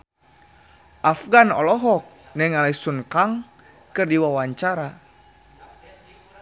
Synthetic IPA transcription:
ʔafɡanɔ̰lɔɦɔk̚ | nɛŋalaisunkaŋ | kɨrdiwawaɲt͡ʃaɾa

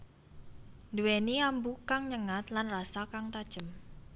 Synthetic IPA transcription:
nduweniambukaŋɲəŋat̪lanrasakaŋt̪ad̥ʒ̥əm

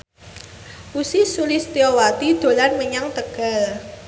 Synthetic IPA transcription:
ʔusisulɪst̪iɔwat̪id̪̥o̤lanməɲaŋt̪əɡ̥a̤l

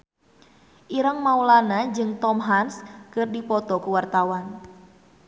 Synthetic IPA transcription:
ʔiɾəŋmaulanad͡ʒɨŋt̪ɔmɦanskɨrdipɔt̪ɔkuwart̪awan

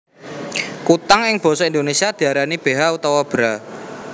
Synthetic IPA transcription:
kut̪aŋɪŋb̥ɔ̤sɔind̪onesiad̪̥i̤aɾanib̥e̤ɦaut̪ɔwɔb̥ɾa

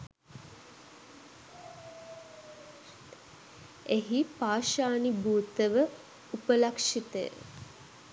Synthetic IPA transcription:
eɦipaːʃaːnibuːt̪əʋə | upəlakʂit̪əjə̰

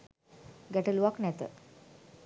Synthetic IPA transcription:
ɡɛʈəluʋaknɛt̪ə̰

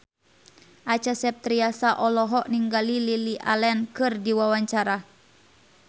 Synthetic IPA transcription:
ʔat͡ʃasɛp̚t̪ɾiasaʔɔlɔɦɔʔniŋɡalililiʔa̰lɛnkɨrdiwawaɲt͡ʃaɾa

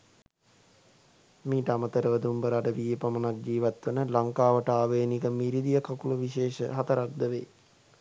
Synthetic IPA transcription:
miːʈəamət̪əɾəʋəd̪umbəɾaɖəʋiːjəpamənak̚d͡ʒiːʋat̪ʋənəlaŋkaːʋəʈəaːʋeːnikəmiɾid̪ijəkakuluʋiʃeːʃə̰ɦat̪əɾak̚d̪əʋeː

